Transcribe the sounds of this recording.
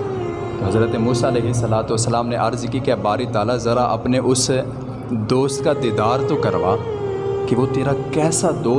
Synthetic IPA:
t̪oɦɐzɾət̪emuːsaɪlɛːɦɪsːəlaːt̪uʋəsːəlaːmneʔɐɾzkikebaːɾit̪aːlazɐɾaʔɐpneʔʊs | d̪oːst̪̚kad̪eːd̪aːɾt̪õkɐɾʋaː | keʋot̪eːɾakɛːsad̪oː

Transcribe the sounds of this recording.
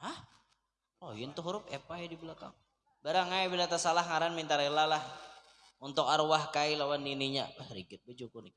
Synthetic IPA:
ah | lɔjɪnt̪uɦuɾʊp̚epajadiblaka̰ŋ | baɾaŋajabilat̪asalahŋaɾanmint̪aɾelalah | unt̪ʊkaɾwahkailawandiniɲa̰wɛhɾiɡɪt̪̚bəd͡ʒokʊnik̚

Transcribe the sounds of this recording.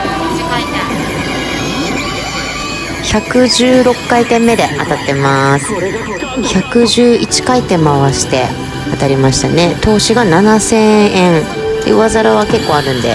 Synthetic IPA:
çakɯ̟ʑɨːɾo̞kːait̪ẽ̞mːe̞d̪eʔat̪at̪ːe̞masɨ̥ | çakɯ̟ʑɨːit͡ɕi̥kait̪ːe̞maβaɕi̥t̪e̞ | at̪aɾʲimaɕi̥t̪ane̞t̪o̞ːɕiɡananasẽ̞ɰ̃ẽ̞n | t̪ːḛɯ̟βazaɾaβ̞ake̞kːo̞ːaɾɯ̟̃nd̪e̞̰

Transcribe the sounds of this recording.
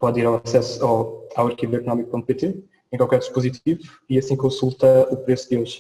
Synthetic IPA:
pɔðiɾawɐsɛsuɔawɐɾkivuekunɔmik̚põnt̪̚pet̪e | ẽkwalˠkɛɾd̪iʃpuzit̪ivu | iɐsĩkõsulˠt̪ɐupɾesud̪joʒ

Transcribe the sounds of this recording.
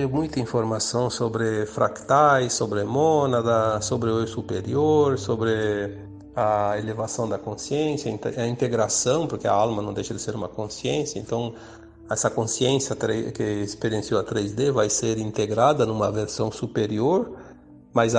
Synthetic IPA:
imũjt̪ɐĩfoɾmasɐ̃w̃sobɾɪfɾa̰kt̪ajsobɾemonad̪ɐsobɾeejsupeɾioɾsobɾɪ | aelevasɐ̃w̃d̪ɐkõsiẽnsjɐ̃t̪ɐĩnt̪eɡɾasɐ̃w̃poɾkea̰almɐnɐ̃w̃d̪ejʃɐd̪ɪseɾũmɐkõsiẽnsjɐẽnt̪ɐ̃w̃ | ɛsɐkõsiẽnsjɐt̪ɾekeespeɾiẽnsjoat̪ɾezd̪evajseɾĩnt̪eɡɾad̪ɐnũmɐveɾsɐ̃w̃supeɾioɾ | maz

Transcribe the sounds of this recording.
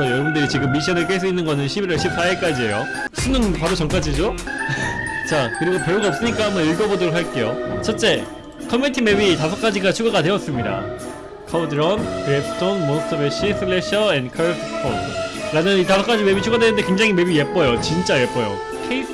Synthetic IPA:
ʌjʌbundɯɾit͡ɕiɡɯmːiɕ̬ʰiʌnɯɭk͈es̬͈uinːɯnɡʌnɯnɕʰibiɾʌɭɕʰip̚s͈aek͈ad͡ʑie̞jo | sʰunɯnpaɾot͡ɕʌŋk͈ad͡ʑid͡ʑo | t͡ɕakɯɾiɡope̞uɡaʌp̚s͈ɯɲik͈aɦambʌniɭɡʌbodoɾɯɭɦaɭk͈e̞jot͡ɕʰʌt͡ɕ͈e̞ | kʰʌmentʰime̞bitasʰʌk͈ad͡ʑiɡat͡ɕʰuɡaɡadwe̞ʌs͈ɯmɲida̰ | kʰadɯɾʌnkɯɾepʰɯ̥tʰonmonsʰtʰɯbeɕʰisʰɯɭeɕʰʌenkʰaɭpʰspʰotʰɯɾamjʌnitasʰʌk͈ad͡ʑime̞bit͡ɕʰuɡadwe̞nɯnde̞kwe̞ŋd͡ʑaŋime̞bije̞p͈ʌjot͡ɕint͡ɕ͈aje̞p͈ʌjo̰ | kʰei

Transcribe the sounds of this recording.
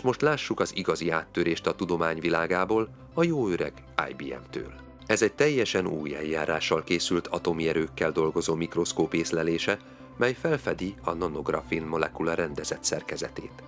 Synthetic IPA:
ʃt̪mo̞ʃt̪laːʃːukɒziɡɒziaːt̪ːøɾeːʃt̪ɒt̪ud̪o̞maːɲvilaːɡaːboːl | ɒjoːøɾɛ̰ɡ̥ | a̰ːjbiːɛ̰mt̪ø̰ːl | ɛzɛɟ̚t̪ɛjːɛʃɛnṵːjɛ̰ljːaːɾaːʃːɒlkeːsylt̪ʰɒt̪o̞miɛɾøːkːɛld̪o̞lɡo̞zoːmikro̞skoːpeːslɛleːʃɛ | mɛjfɛlfɛd̪iɒnɒno̞ɡrɒ̰finmo̞lɛkulɒɾɛnd̪ɛzɛt̪sɛrkɛzɛt̪ḛːt̪

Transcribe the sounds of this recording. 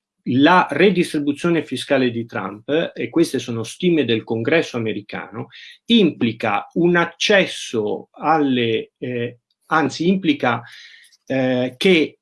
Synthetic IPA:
lared̪ist̪ɾibut̪sːjoːnefiskaːled̪it̪ɾa̰mpekːwest̪esoːnost̪iːmed̪elkoŋɡɾɛsːoameɾika̰ːnoimplika̰unat͡ʃːɛsːoalːe | ant̪siimplika | ke

